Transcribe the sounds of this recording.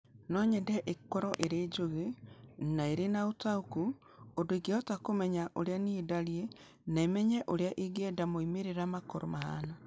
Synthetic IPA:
nɔɲɛndɛʔekɔɾɔʔeɾed͡ʒoɣenaeɾenaotaoku | ondoiɡeɔtakomɛɲaʔoɾeaniedaɾie | naemɛɲɛʔoɾeaʔeɡɛːdamoimeɾeɾamakɔɾomaha̰na

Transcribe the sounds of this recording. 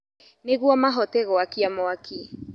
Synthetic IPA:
neɣuamaɦɔtɛɣɔakiamɔakʰi

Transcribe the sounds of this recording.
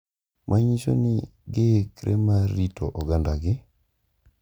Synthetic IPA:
mʔaɲit͡ʃo̰nɪɡɪkɾʔemaɾitɔ̰ʔɔɡandaɡɪ

